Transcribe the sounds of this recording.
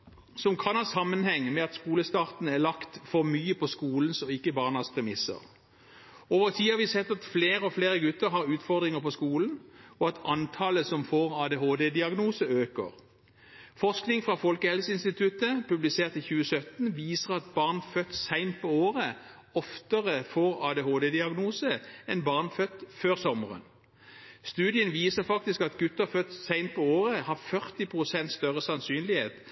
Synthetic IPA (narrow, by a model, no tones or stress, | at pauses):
sɔmkʰɑnhɑːsɑmːənhɛŋːmɛɑt̪skuːləst̪ɑːʁt̪n̩æʁlɑkt̪fɔʁmyːəpɔskuːln̩sɔɪkːəbɑːʁnɑspʰʁɛmɪsə̰ʁ | oːʋəʁt̪ʰiːhɑʋɪsɛt̪ːɑt̪fleːʁəɔfleːʁəɡʉt̪ːəʁɦɑʁʉːt̪fɔʁd̪ʁɪŋəpɔskuːln̩ɔɑt̪ʰɑnt̪ʰɑːləsɔmfoːʁɑːd̪eːɦoːd̪eːd̪ɪɑɡnuːsəøːkə̰ʁ | fɔsknɪŋfʁɑfɔlkəhɛlsəɪnst̪ɪt̪ʰʉt̪əpʉblɪseːʁt̪ʰːɪçʉːəsœt̪nʋiːsəʁɑt̪̚bɑʁnfœt̪ːsæɪnt̪̚pʰɔoːʁəɔft̪əʁəfoːʁɑːd̪eɦoːd̪ed̪ɪɑɡnuːsəɛnbɑʁnfœt̪ːføːʁsɔməʁə̰n | st̪ʉːd̪ɪənʋiːsəʁfɑk̚t̪ɪskɑt̪ɡʉt̪ːəʁfœt̪ːsæɪnt̪̚pʰɔoːʁəhɑʁfœʁt̪ɪpʰʁʊsɛnt̪st̪œʁəsɑnsyːnlɪheːt̪